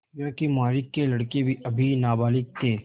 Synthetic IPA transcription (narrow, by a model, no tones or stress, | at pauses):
jõːkimaːɾɪkːelɐɽkebʱiʔɐbʱinaːbaːlɪk̚t̪ʰeː